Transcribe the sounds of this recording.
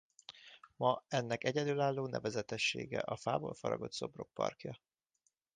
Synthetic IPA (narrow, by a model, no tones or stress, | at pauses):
mɒɛnːɛkɛɟɛd̪yːlaːlːoːnʔɛvɛzɛt̪ɛʃːeːɡɛ̰ʔɒfaːboːlfɒɾɒ̰ɡo̞t̪so̞bro̞k̚pɒ̰rkjɒ